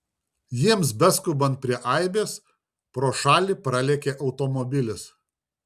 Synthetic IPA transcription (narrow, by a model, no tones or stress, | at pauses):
jiɛmsbʲɛskʊbɐnt̪̚pʲɾʲiɛʔɐɪbʲeːs | pɾoːʃɑːlʲipɾɐlʲɛːkʲeːʔɒʊt̪ɔmɔbʲɪlʲɪs